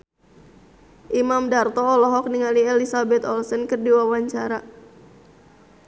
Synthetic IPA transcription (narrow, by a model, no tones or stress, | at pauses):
ʔimamdart̪ɔːlɔɦɔk̚niŋaliɛlisabɛt̪ɔlsɔnkɨrdiwawaɲt͡ʃaɾa